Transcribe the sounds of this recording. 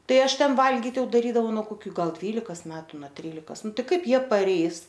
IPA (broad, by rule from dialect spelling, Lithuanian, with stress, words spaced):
ˈtɐɪ ˈɐʃ ˈtʲɛn ˈʋɐlʲɡʲɪt ˈjɛʊ dɐˈrʲiːdɐʋɐʊ nuɔ koːˈkʲuː ˈɡɐlˠ ˈdʲʋʲiːlʲɪkɐs ˈmʲæːtʊ nɐ ˈtʲrʲiːlʲɪkɐs ˈnʊ ˈtɐɪ ˈkɐɪp ˈjiɛ pɐˈrʲɛɪs